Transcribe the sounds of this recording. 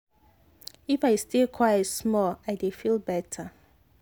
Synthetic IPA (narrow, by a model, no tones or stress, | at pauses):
ifaɪstekʰwaɪsmɔlaɪdefilˠbɛtʰə